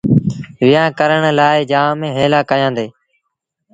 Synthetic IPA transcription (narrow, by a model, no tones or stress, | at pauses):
ʋɪjãːkəɾəɳlaːɪd͡ʒaːmẽːɦeːlaːkəjãːnd̪eː